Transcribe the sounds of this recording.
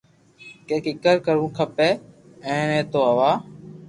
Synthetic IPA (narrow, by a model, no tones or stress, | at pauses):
keːkɪkəɾkəɾũːkʰəpeː | ẽːnẽːt̪oːɦəʋaː